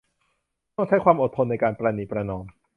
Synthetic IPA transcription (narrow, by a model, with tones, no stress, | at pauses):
t̪ɔ˥˩ŋt͡ɕʰa˦˥jkwaː˧mʔo˨˩t̪ʰːo˧nːa˧jkaː˧npɾaː˧niː˨˩pɾa˧nɔː˧m